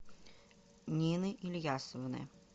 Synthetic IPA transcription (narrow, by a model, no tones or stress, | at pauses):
nʲinɨʔilʲjasəvnɨ̰